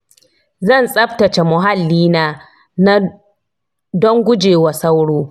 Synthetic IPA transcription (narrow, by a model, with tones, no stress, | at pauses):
zɐ˦˨nsʼɐ˦btɐ˨t͡ʃe˨mʊ˨ɦa˦lːiː˦naː˦ | na˦ | dɔ˦ŋɡʷʊ˦d͡ʒeː˨wa˨sa˦wɽoː˦